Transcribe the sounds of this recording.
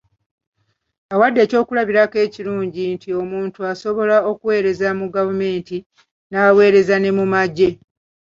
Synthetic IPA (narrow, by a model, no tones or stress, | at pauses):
awadːe̞ːco̞ːkulaβiɾake̞ːciɾuːɲɟintio̞muːntuaso̞βo̞lao̞kuwe̞ːɾe̞zamuɡavume̞ːnti | nawe̞ːɾe̞zane̞mumaɟːe̞